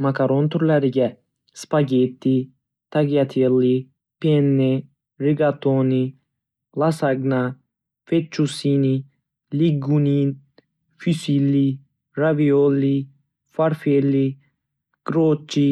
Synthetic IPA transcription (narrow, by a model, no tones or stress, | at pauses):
makaɾont̪ɾlaɾiɡɛ | spaɡet̪ːi | t̪aɡijat̪ʰelːi | penːe | ɾiɡat̪oni | lasaɡna | fet͡ʃːusini | liɡunin | fysilːi | ɾaʋioli | faɾfelːi | ɡ̥ɾoːt͡ʃːi